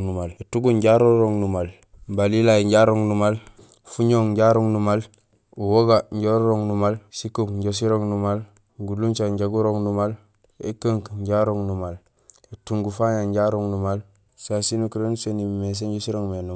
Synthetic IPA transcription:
numaletuɡuɲɟaɾoɾoŋnumal | balilaiɲɟaɾoŋnumal | fuɲoŋɲɟaɾoŋnumal | uwoɡaɲɟoɾɾoŋnumalsikokɲɟos̬iɾoŋnumal | ɡuluɲt͡ʃaɲɟaɡuɾoŋnumal | ḛkəŋkɲɟaɾoŋnumal | etuŋɡufaɲaɲɟaɾoŋnumal | sasinukuɾensenimes̬eɲɟosiɾoŋmenu

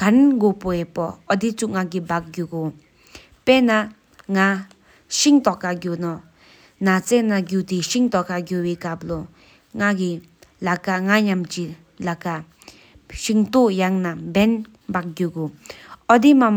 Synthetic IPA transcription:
kanɡopoɛpɔɔd̪it͡suʔŋaɡibak̚ɡuɡo | pɛna | ŋa | ʃiŋt̪ɔkaɡjonɔ | nat͡sɛnaɡut̪iɕiŋt̪ɔkaɡowekap̚lɔ | ŋaɡi | lakaŋaɲamt͡ɕi | laka | ɕiŋt̪oʔjaŋnabɛn | bak̚ɡuɡoɔd̪imam

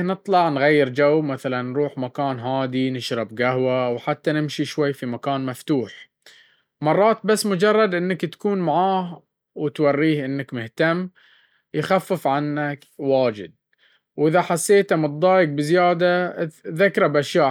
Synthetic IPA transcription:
nɨt̪ˤlɑʕnɣajːɪɾd͡ʒawːmaθalanːɾuːħmakaːnɦaːd̪inɪʃɾˤɑbɡahwawħat̪ːanɪmʃiʃwajːfimakaːnmaft̪uːħ | mɑrˤːɑːt̪basːmʊd͡ʒɑrˤːɑd̪ʔɪnːakt̪ḁkuːnmaʕaːh | wɪt̪wɑrːiːhʔɪnːakmɪht̪amː | jxafːɪfʕanːak | waːd͡ʒɪ̰d̪̚ | wʔɪðaħasːeːt̪amʊt̪̚ˤd̪ˤɑːjɪk̚bɪzjaːd̪aðakɾˤɑbʔaʃjaːʔ

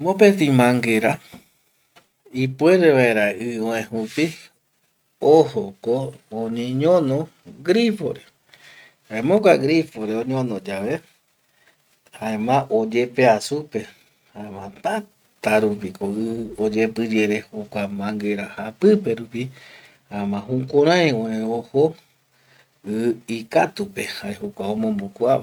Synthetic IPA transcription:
mõpẽt̪̬ĩmãŋɡe̞ɾa | ipwe̞ɾeʋaeɾaʔɨoẽhupi | ohokooɲẽɲõnõ | ɡɾifo̰ɾe | haẽmõkʷaɡɾifoɾeõɲõnõd͡ʒaʋe | haẽmãʔod͡ʒe̞pe̞asupe̞ | haemãt̪a | t̪aɾupikoɨod͡ʒe̞pɨd͡ʒeɾe̞hokʷamãŋɡe̞ɾahapɨpe̞ɾupi | haemãɦũkʷoɾ̃ãj̃õeoho | ɨikat̪upe̞haehokʷaomõmbokua

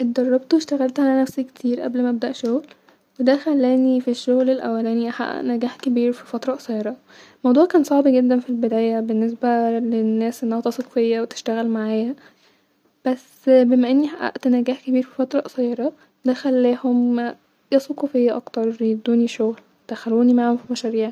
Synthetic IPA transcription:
ʔet̪̚d̪ɑrˤːɑbt̪weʃt̪æɣælt̪ʕalænæfsækːe̥t̪ʰiːɾʔæ̰blmææb̚d̪æʔʃoɣl | wed̪æxælːæːnifiʃːoɣlelʔæ̰wːælæːniʔaħa̰ʔnæɡæːħkebiːɾfi̥fɑt̪ɾˤɑʔsˤɑjeɾˤɑ | mɑwd̪ˤuːʕkæːnsˤɑʕbiɡed̪ːænfilbed̪æːjæbenːes̬bælenːæːsʔenːæhæt̪ɑsˤuko̥fejːæwet̪e̥ʃt̪æɣælmaʕaːjæ | b̥æs | bemæʔenːiħaʔa̰ʔt̪næɡæːħkebiːɾfi̥fɑt̪ɾˤɑʔsˤɑjeɾˤɑ | d̪æxælːæːhom | jɑsˤukofejːæʔɑ̰kt̪ɑɾˤjed̪uːniʃoɣl | d̪̥æxæluːnimaʕhomfimæʃæɾiːʕ

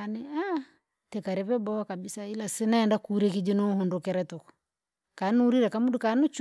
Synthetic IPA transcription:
ania | tɛkaɾɛβɛbɔkabisailasinaːndakuɾekid͡ʒinohundokɛɾɛtukɔ̥ | kanuɾiɾakamudukanut͡ʃ

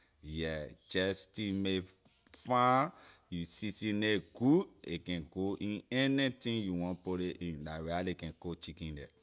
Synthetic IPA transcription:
jɛd͡ʒɛstime | fã | jusisĩneɡ̥uekɛ̃nɡoʔĩnɛnitĩŋjuwɔ̃npoɾeʔĩndaɹalekɛ̃nkot͡ʃikĩndɛ̰

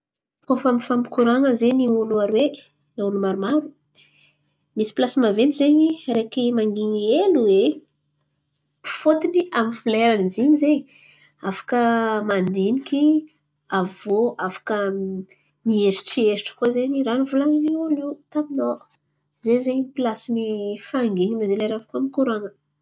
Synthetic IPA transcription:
kofamifampi̥kuɾaŋəzeniuluaɾwe | naulumaɾumaɾu̥ | misi̥plasimavenizeɲirekimaŋɡiɲieluwe | fot̪iniamifileɾaniziɲizeɲi | afḁkəmand̪inikʲi | avoʔafḁkə | mieɾiʈ͡ʂiesiʈ͡ʂə̥kozeɲiranuvulaŋinilet̪amino | zeɲzeɲiipilasinifaŋɡiɲinəzeleɾafḁkamikuɾanə

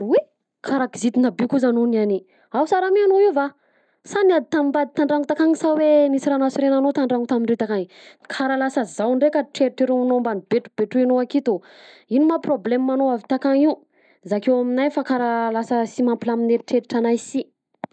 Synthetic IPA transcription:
we | kʰaɾakizit̪inabikuzanonani | awsaɾamianoiwva | saniad̪it̪amimbad̪it̪aɳɖ͡ʐaŋut̪akaŋisawenisiɾanasiɾenanot̪aɳɖ͡ʐaŋut̪amiɳɖ͡ʐit̪akaŋi | kʰaɾalasəzawɳɖ͡ʐekaʈ͡ʂeɾiʈ͡ʂeɾumanombanibeʈ͡ʂu̥beʈ͡ʂinoakit̪u | inimaproblemːanoavit̪akaŋiw | zakewaminajfakaɾalasəsimampilamineɾiʈ͡ʂeɾiʈ͡ʂanajsi

